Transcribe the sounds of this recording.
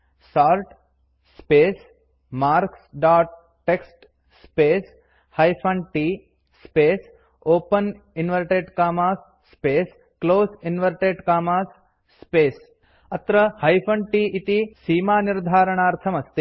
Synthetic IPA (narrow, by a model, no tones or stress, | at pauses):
saːɾʈ | speːs | maːɾksɖaːʈ̚ː | eksʈ | speːs | hɐjpʰɐɳʈiː | speːs | oːpɐn | inʋɐɾʈeɖkaːmaːsːpeːs | kloːsinʋɐɾʈeɖkaːmaːsː | peːs | ɐt̪ɾɐhɐjpʰɐɳɖʈiːʔit̪isiːmaːniɾd̪ʱaːɾɐɳaːɾt̪ʰɐmɐst̪i